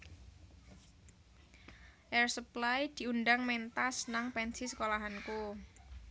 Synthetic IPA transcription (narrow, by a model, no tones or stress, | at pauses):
ʔɛrsəplajd̪̥i̤undaŋmɛnt̪asnaŋpɛnsisə̥kolaɦanku